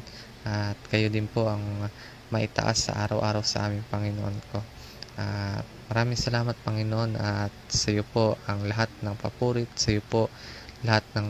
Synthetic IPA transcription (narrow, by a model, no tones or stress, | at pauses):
ʔat̪̚kɐjod̪ɪnpo̞ʔɐŋ | mɐʔɪt̪ɐ̰ʔa̰sːɐ̰ʔa̰ːɾɐwʔaːɾɐwsɐ̰ʔa̰ːmɪŋpɐŋɪnoʔonko̞ | ʔat̪̚mɐɾaːmɪŋsɐlaːmɐt̪̚pɐŋɪnoʔo̞nʔɐt̪̚sɐjopo̞ʔʔɐŋlɐɦat̪̚nɐŋpɐpuːɾɪt̪sɐjopo̞ʔlɐhat̪̚nɐŋ